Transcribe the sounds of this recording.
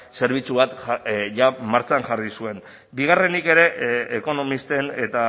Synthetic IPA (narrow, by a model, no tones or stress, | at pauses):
se̞ɾβ̞it͡suβat̪ʝamaɾt͡sanʝarisue̞n | biɣ̞are̞nike̞ɾe̞ʔːko̞no̞mist̪e̞ne̞t̪a